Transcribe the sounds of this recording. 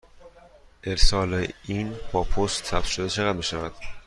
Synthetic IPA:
ʔeɾsɒːleinb̥ɒːpʰost̪ːʰæpʃod̪et͡ʃʰeɣæd̪̚miːʃævæd̪̥

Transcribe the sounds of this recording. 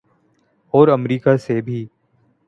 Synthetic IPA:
ɔːɾəmɾiːkasebʱiː

